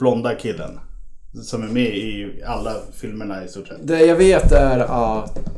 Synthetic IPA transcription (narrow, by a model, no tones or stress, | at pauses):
b̥lɔnd̪akʰɪlːə̰n | sɔmæɾmɛɪalːafɪlməɳaɪst̪uːʂɛ̰t̪ːd̪ɛjɑveːt̪æɾɑː